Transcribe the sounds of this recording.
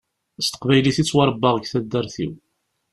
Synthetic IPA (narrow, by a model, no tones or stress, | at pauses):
st̪ə̥qvæjliθit͡sːwɑɾˤbːɑʁəʝθæd̪ːæɾˤθḭw